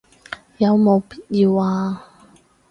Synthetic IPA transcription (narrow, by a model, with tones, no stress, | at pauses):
jɐ˨˧wmo˨˧wpiː˥t̚jiː˧waː˧